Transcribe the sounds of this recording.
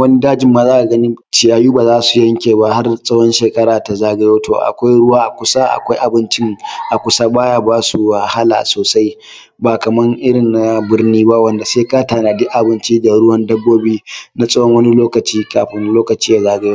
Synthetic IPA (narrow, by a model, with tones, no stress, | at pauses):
wɐ˦ni˦daː˦d͡ʒɪ˨mːaː˨zaː˦ʔa˨ɡɐ˦ni˦t͡ʃɪ˨jaː˨juː˦baː˨zaː˦su˨jɐ˦ŋkʲeː˨ba˦ha˦rsʼɐ˦wɔ˦nʃeː˨kʼɐ˦ɽaː˨ta˨zaː˦ɡa˦joː˦tʰoː˨ʔa̰˨kʷa˦jɽʊ˦waː˦ʔa˨kʷʊ˦sa˦ʔa̰˨kʷa˦jʔa˨bɪ˦nt͡ʃɪ˦ŋʔa˨kʷʊ˦sa˦baː˦jaː˦baː˦su˨wa˨ha˦la̰ː˨soː˨sa˦j | baː˨kɐ˨mɐ˦ŋʔɪ˦ɽɪ˨nna˨bɪ˦rniː˦ba˦wɐ˦nda˨seː˦kaː˦taː˨naː˨dɪ˦ʔa˨bɪ˦nt͡ʃiː˦da˨ɽʊ˦wɐ˦ndɐ˦bːoː˦biː˦na˦sʼɐ˦wɔ˦ŋwɐ˦ni˦loː˦kɐ˨t͡ʃiː˦kaː˨ɸɪ˦nloː˦kɐ˨t͡ʃiː˦ja˨zaː˦ɡa˨jo˦